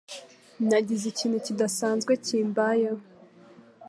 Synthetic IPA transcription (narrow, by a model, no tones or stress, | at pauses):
naɟizeciːn̥hucidasaːnzɡweciːmbaja